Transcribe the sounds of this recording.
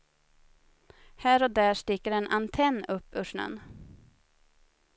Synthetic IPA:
hæːɾɔd̪æːʂt̪ɪːkəɾɛnʔant̪ʰɛnːɵpːɵʂɳə̰n

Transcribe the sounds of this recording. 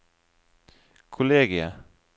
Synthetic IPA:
kʰʊleːɡɪə

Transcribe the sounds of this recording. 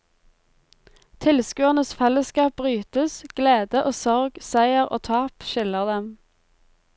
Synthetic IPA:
t̪ʰɪlskʉːənəsfɛləskɑːp̚bʁyːt̪əsɡ̥leːd̪əʔoːsɔʁɡsæɪəʁo̰ːt̪ʰɑːpʃɪləʁd̪ɛm

